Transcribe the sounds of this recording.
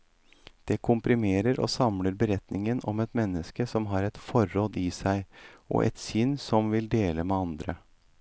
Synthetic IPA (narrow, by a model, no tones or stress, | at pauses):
d̪̥ɛkʰʊmpɾɪmeːɾəɾo̰ːsɑmləɾbəɾɛt̪nɪŋənɔmɛt̪mɛnːəskəsɔmɦɑːɾɛt̪fɔɾːɔd̪isæɪʔɔ̰ʔɛ̰t̪sʏnːsɔmʋɪld̪eːləmɛɑnd̪ɾə